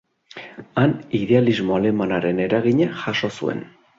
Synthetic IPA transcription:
aniðe̞alizmo̞ale̞manaɾe̞ne̞ɾaɣiɲaxaʃo̞sṵe̞̰n

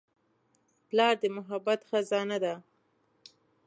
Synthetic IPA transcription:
plɑɾd̪əmʊɦabːat̪xəzɑnad̪a

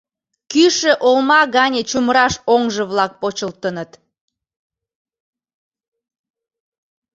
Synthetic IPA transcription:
kyʃəʔolmɑɣɑnʲet͡ɕumɾɑʃoŋʒəβlɑk̚pot͡ɕəlt̪ənət̪

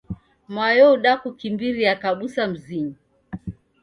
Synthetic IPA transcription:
majɔuɗakukimbiɾijakaɓusam̩ziɲi

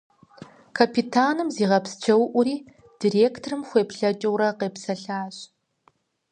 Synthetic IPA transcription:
kʰɐpʰitʰaːnɨmziːʁɐpst͡ʃʰɐwʔʷʊɾiː | d̥iːreːktʰrɨmxʷeːpɬɐt͡ʃʼɐwɾɐqeːpsɐɬaːɕ

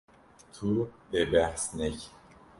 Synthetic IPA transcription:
t̪ʰubebæhsnec

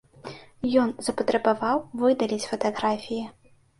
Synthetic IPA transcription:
jɔnz̥ɐpɐt̪ɾɛbavawvɨd̪ɐlʲit͡sʲfɐt̪aɣɾafʲiji

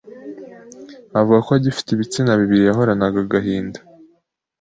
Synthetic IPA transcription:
avuɡakoaɟifi̥tiβit͡sinaβiβiɾijaɦo̞ɾanaɡaɡaɦiːndḁ

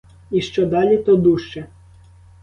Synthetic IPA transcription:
iʃt͡ʃɔd̪ɑlʲit̪ɔd̪uʃt͡ʃɛ

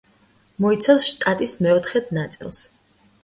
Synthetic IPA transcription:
mɔit̪sʰafsʃt̪ʼat̪ʼismɛɔt̪ʰχɛd̪nat̪sʼḭlˠs

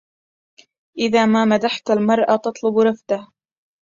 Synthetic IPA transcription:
ʔɪðaːmaːmad̪aħt̪almɑɾˤʔɑt̪ɑt̪ˤlʊbɾˤɑfd̪ah

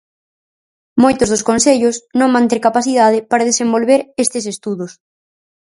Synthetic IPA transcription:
mojt̪ʊzð̞ʊskonseʎʊsnõŋmãnt̪eɾkapaθiðað̞ɪpaɾaðesembolβeɾest̪ɪsest̪uðʊs

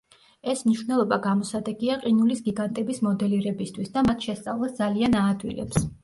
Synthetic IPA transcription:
ɛsmniʃwvnɛlˠɔbaɡamɔsad̪ɛɡiaqʼinulisɡiɡant̪ʼɛbismɔd̪ɛliɾɛbist̪ʰwisd̪amat̪ʰʃɛst̪sʼa̰vlˠasd̪zalianaːd̪wḭlɛ̰ps

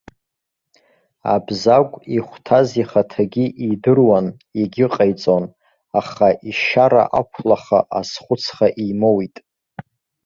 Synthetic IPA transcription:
a̰bzakʷʼiχʷtʰaziχatʰaɡʲiʔidɨrwan | eɡʲɪqʼajt͡sʼon | aχaʔiʃaɾa̰ʔakʷʰlaχa̰ʔasχʷʊt͡sʰχaʔimowitʼ

